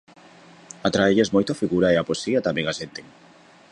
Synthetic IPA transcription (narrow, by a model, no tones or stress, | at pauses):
at̪ɾaeʎezmojt̪oafiɣuɾɐeaposiat̪ameŋasent̪eŋ